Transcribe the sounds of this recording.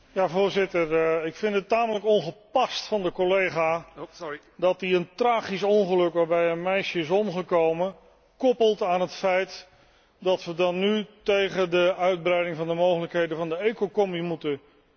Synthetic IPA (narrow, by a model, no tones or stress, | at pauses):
jaːvʊːɹzɪtəɹɪkfɪndətaːmələkɔnχəpɑstfɑndəkolejχaː | dɑtiəntraːχisɔnχəlɵkʋaːɹbɛjənmɛjʃəɪs̬ɔmχəkowmə | kɔpəlˠtaːnɦətfɛjt | dɑtʋədɑnːytejχədəœɥd̚brɛjdɪŋvɑndəmowχələkɦejdəvɑndəejkokɔmimutə